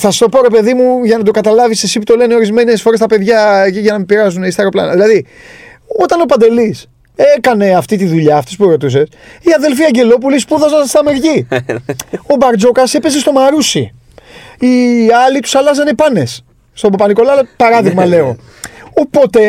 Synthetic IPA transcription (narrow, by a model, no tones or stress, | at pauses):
θɐsɐst̪o̞po̞ɾe̞pe̞ðimuʝɐnɐt̪o̞kɐt̪ɐlɐvisesiput̪o̞le̞neo̞ɾizme̞ne̞sfo̞ɾe̞st̪ɐpe̞ðʝɐiʝɐnɐmipeɾɐzunist̪ɐɾoplɐ̰nɐðilɐði | o̞t̪ɐno̞pɐnd̪e̞lis | e̞kɐne̞ɐft̪it̪iðuʎɐːft̪ispueɾo̞t̪us̬e̞siɐðe̞lfiɐɲɟe̞lo̞p̬ulispuðɐzɐnst̪ɐmeɾʝi | o̞bɐɾd͡zo̞kɐse̞pe̞s̬e̞st̪o̞mɐɾusḭ | iɐlit̪u̥sɐlɐzɐnepɐne̞s | st̪o̞bopɐniko̞lɐlɐpɐɾɐðiɣmɐle̞o̞ | opot̪e̞